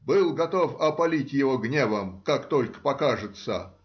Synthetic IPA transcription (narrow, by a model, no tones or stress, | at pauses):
bɨlˠɡɐt̪ofɐpɐlʲitʲjɪvoɡnʲevəmkakt̪olʲkə̥pɐkaʐɨt̪sə̰